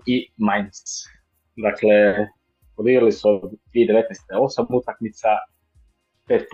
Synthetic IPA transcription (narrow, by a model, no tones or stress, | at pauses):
imajns | d̪aklɛ | pod̪iɡɾalisɔd̪vid̪ɛvɛt̪nɛjst̪ɛosamut̪akmit̪sa | pɛt̪